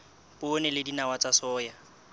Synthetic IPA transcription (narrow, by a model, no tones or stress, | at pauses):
pʼʊnɛlɪdinawat͡sʼasɔːja